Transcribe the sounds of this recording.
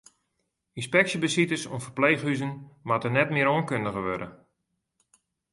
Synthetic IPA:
inspɛksjəbəsitəso̰nfərpleːxhyzənmatənɛtmɪəoənkøndəɣəʋødə̰

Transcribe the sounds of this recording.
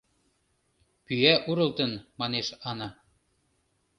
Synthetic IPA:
pyæʔuɾɤ̆lt̪ənmɑneʃɑnɑ

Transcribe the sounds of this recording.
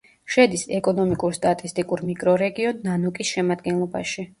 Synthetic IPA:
ʃɛd̪isɛkʼɔnɔmikʼuɾst̪ʼat̪ʼist̪ʼikʼuɾmikʼɾɔɾɛɡiɔnːanukʼisʃɛmad̪ɡɛnlˠɔba̰ʃi

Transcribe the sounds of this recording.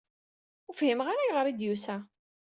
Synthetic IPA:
ufhimʁaɾajʁəɾˤid̪jusæ

